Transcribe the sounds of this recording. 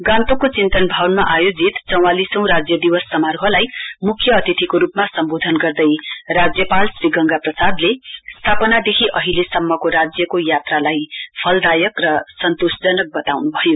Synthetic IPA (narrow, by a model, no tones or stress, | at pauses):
ɡãnt̪okot͡sint̪ʌnbʱawnmaʔajod͡zit̪t͡sʌ̃w̃alisʌ̃w̃ɾad͡zjʌd̪iwʌsːʌmarɦʌlajmukʰjʌːt̪it̪ʰikoɾupmasʌmbod̪ʱʌnɡʌrd̪ʌjrad͡zjʌpalsriɡʌŋɡaprʌsad̪lest̪ʰapʌnad̪ekʰiʔʌɦilesʌmːʌkoɾad͡zjʌkojat̪ralajpʰʌld̪ajʌkrʌsʌnt̪osd͡zʌnʌk̚bʌt̪awnubʱʌjo